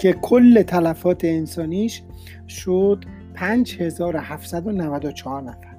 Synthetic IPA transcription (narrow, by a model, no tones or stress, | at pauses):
cʰe̞kʰolːe̞t̪ʰælæfɒːt̪ʰe̞ːnsɒːniːʃ | ʃod̪̥ | pʰæːnd͡ʒhe̞zɒːɾohæft̪sæd̪o̞nævæd̪ot͡ʃʰɒhɒːɾnæfæɾ